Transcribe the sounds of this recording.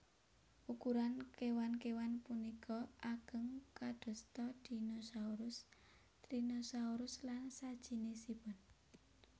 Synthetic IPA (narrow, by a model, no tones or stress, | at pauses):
ʔukuɾankewankewanpunikʰɔʔaɡ̥əŋkaɖ̪̥ɔ̤st̪ɔd̪̥i̤nosauɾʊs | t̪ɾinosauɾʊslansad̥ʒ̥i̤nesib̥ɔ̤n